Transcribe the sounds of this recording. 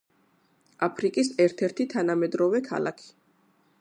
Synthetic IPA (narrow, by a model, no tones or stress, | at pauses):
apʰɾikʼisɛɾt̪ʰɛɾt̪ʰit̪ʰanamɛd̪ɾɔvɛkʰa̰lˠa̰kʰi̥